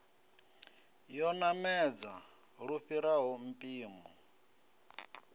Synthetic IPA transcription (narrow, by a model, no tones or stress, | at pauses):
jɔnamɛd͡za | ɺuɸiɾaɦɔm̩pʼiːmɔ